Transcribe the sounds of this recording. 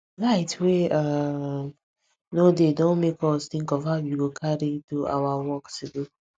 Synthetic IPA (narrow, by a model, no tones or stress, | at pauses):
laɪtwea | nodedõnmekʰɔstĩŋkɔvaʊjuɡokʰaɾitua̰wawɔksudo